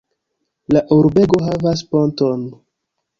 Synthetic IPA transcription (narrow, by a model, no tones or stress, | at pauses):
laʔuɾbe̞ɡo̞ɦavas̬ponto̞n